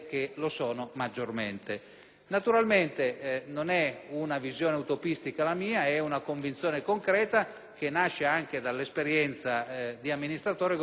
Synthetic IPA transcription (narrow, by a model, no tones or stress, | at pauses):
kelosɔːnomad͡ʒːorment̪e | nat̪uɾalment̪enonɛunavizjɔːneaut̪opist̪ikalamiːaɛunakoɱvint̪sjɔːnekoŋkɾɛːt̪a | k̟enaʃːeaŋked̪alːespeɾjɛnt̪sad̪iamːinist̪ɾat̪ɔːɾe